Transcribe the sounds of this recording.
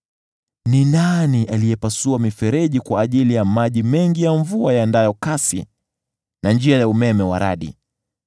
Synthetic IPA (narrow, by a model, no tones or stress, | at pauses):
ninaniʔalijɛpasuamifɛɾɛʄikwaːʄilijamaʄimɛŋɡijaɱvuajandajɔkasḭ | nand͡ʒiajaumɛmɛwa̰ɾa̰ɗḭ